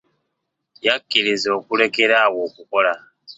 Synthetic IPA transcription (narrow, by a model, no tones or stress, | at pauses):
jakːiɾizo̞ːkule̞ke̞ɾaːwo̞ːkuko̞la